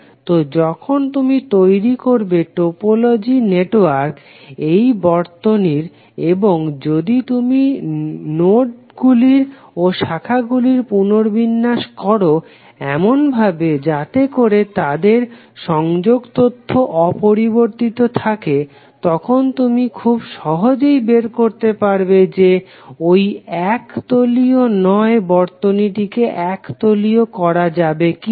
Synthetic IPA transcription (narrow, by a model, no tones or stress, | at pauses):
t̪od͡ʑɔkʰont̪umit̪ojɾikoɾbeʈopolod͡ʑineʈoaɾk | ejbɔɾt̪oniɾ | eboŋd͡ʑod̪it̪uminoʈ | ɡuliɾ | oʃakʰaɡuliɾpunoɾbinːaʃkɔɾo | ɛmonbʱabed͡ʑat̪ekoɾet̪ad̪eɾ | ʃɔŋd͡ʑoɡt̪ot̪ʰːoʔɔpoɾiboɾt̪it̪ot̪ʰake | t̪ɔkʰont̪umikʰubʃɔɦod͡ʑejbeɾkoɾt̪epaɾbed͡ʑe | ojɛkt̪olionɔebɔɾt̪oniʈikeʔɛkt̪oliokɔɾad͡ʑabeki